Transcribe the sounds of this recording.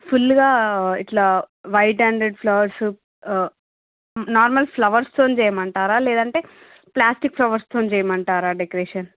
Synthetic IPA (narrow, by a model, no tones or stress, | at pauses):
pʰulːɡaːiʈlaːʋɐjʈɦɐɳɖɾeɖpʰlɐʋɐɾs | naːɾmɐlpʰlɐʋɐɾst̪oːnt͡ʃɛːjɐmɐɳʈaːɾaːlɛːd̪ɐɳʈe̞ː | plaːsʈik̚pʰlɐʋɐɾst̪ʰoːnd͡ʒɛːjɐmɐɳʈaːɾaːɖekɾeːʂɐn